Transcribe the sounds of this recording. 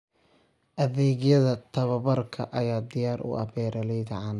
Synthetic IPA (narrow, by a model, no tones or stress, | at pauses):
ʔɐðɛːɣjɐðɐt̪ʰɐβɐβɐrkʰɐʔɐjaːd̪ɪjaːɾʔʊ̰ʔɐ̰bɛːɾʔɐlɛjd̪ɐʕɑn